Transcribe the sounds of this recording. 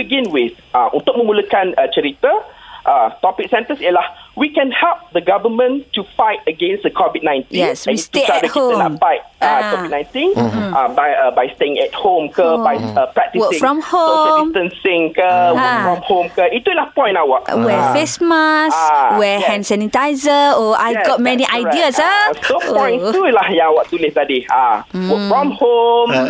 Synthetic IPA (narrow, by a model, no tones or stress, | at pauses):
biɡĩnwiθ | aʔṵ̃nt̪ʊk̚mə̃muləkãnət͡ʃəɾit̪əʔat̪ɔpik̚sɛ̃ntəsilahwikɛ̃nhɛlp̚d̪əɡavəmə̃ntːufajt̚əɡẽnsdəkʰɔvit̚nãjntjĩɛnswɛ̃nst̪ueadəhiõənafajt̚akɔvit̚nãj̃ntĩnabajəbajsteĩŋɛt̚hõmkəbajəpɹɛk̚t̪iwsəkfɹɔ̃mhõmtə̃nsĩŋkəwaəkfɹɔ̃mhõmkəitːulahpɔ̃jnawɔʔ̚wɛfesməswɛhɛ̃nsɛnitajzəɔʔajɡɔt̚mɛniʔajdiəsaopɔ̃j̃ntulahjawɔʔ̚t̪ulesadiawəfɹɔ̃mhom